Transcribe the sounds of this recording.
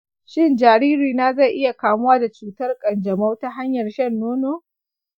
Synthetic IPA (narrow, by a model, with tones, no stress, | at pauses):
ʃɪ˦nd͡ʒaː˨ɾiː˦ɾiː˨naː˦zɐ˦˨jʔɪ˦ja˨kaː˨mʊ˦waː˦da˨t͡ʃuː˨tɐ˦rkʼɐ˨nd͡ʒɐ˨ma˦wta˦ɦa˦ɲjɐ˨rʃɐ˦nːoː˦noː˦